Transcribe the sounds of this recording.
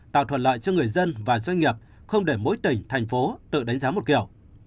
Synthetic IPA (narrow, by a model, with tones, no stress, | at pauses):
t̪a̰ː˧˨wt̪ʰwə˧˨n̚la̰ː˧˨jt͡ɕɔ˧ŋɨ˨˩əjzə˧nvaː˨˩zwa˧jŋ̟ŋi˨˩əp̚ | xə˧wŋ͡mɗe˧˩mo̰˧˥jt̪i˨˩ŋ̟t̪ʰɛ˨˩jŋ̟fo˨˦t̪ɨ̰˧˨ɗa˨˦ŋ̟zaː˨˦mo˨˩t̚kḭ˧˩əw